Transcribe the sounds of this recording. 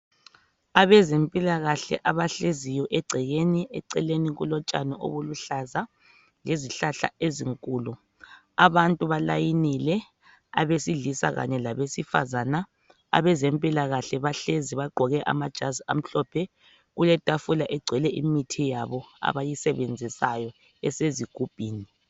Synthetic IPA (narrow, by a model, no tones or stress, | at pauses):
aβɛzempʼilaɣaɬɛ̰ʔaβaɬezijɔʔɛɡ͡ǀʱɛɣeniʔɛ̰ǀɛleniɣulɔt͡ʃʼa̰nɔʔo̰βuluɬaza | leziɬaɬa̰eziŋkʼuːlu | aβantʼuβala̰jinilɛ | a̰βesiɮisa̰ɣa̰ɲɛlaβesifa̰zana | a̰βɛzɛmpʼilaɣaɬɛβaɬeziβaɡ͡ǃʱɔɣɛʔa̰mad̥ʒ̥ʱazam̩ɬɔpʰɛ | ɣulɛtʼafulaʔɛɡ͡ǀʱwɛlɛʔimitʰijaβɔa̰βajisɛβend͡zʱisajɔ | ɛseziɡ̥ʱub̥ʱiːni